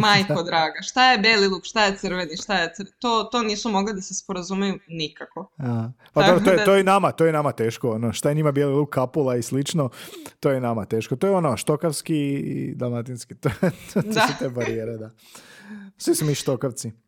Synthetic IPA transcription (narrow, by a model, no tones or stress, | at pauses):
majkod̪ɾaːɡaʃt̪ajebelilˠuːkʃt̪ajet̪sɨrʋeniʃt̪ajet̪sɾt̪oːt̪o̞niːsumo̞ɡlid̪asespoɾazumejunikako̞apad̪obɾot̪ojeojenamat̪ojenamat̪e̞ːʃkoonoʃt̪ajeɲimabelilˠukkʰːapulˠaislit͡ʃnot̪ojenamat̪e̞ːʃkot̪ojeonoʃt̪okaʋskiḭd̪almat̪inskit̪ot̪ot̪sut̪eːbaɾijeɾed̪a | sʋisumiʃt̪o̞kaʋt̪si